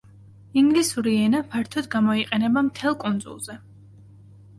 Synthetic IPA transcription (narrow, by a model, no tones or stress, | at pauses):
iŋɡlisuɾiɛnapʰaɾt̪ʰɔd̪ɡamɔiqʼɛnɛbamt̪ʰɛlˠkʼund̪zṵlˠzɛ